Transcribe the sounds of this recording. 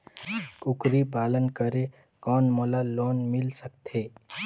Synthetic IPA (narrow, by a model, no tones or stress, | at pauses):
kʊkɾipaːlənkəɾe | kɔːnmolaloːnmɪlsəkt̪ʰeː